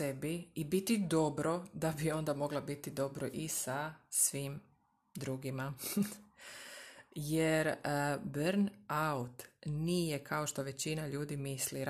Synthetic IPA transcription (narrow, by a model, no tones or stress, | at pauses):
ebiːbit̪id̪o̞bɾo̞d̪abio̞nd̪amo̞ɡlabit̪id̪o̞bɾoʔisasʋiːm | d̪ɾuɡima | jeɾəbɾnaut̪nijekʰao̞ʃt̪o̞ʋe̞t͡ɕinaʎuːd̪imisliɾ